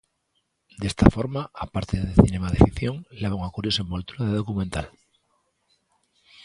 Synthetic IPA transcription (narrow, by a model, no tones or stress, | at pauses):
d̪est̪afoɾmaapaɾt̪eðeθine̞maðefiθjo̞ŋleβoŋakuɾjosembolt̪uɾaðeðo̞kumẽnt̪al